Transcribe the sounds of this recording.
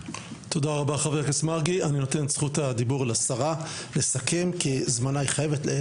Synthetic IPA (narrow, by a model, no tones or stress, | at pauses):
t̪o̞d̪aʁabaχave̞ʁkesmaʁɡianino̞t̪e̞nsχutad̪ibuʁlasaʁa | le̞sakʰe̞mkizmanaiχajevetle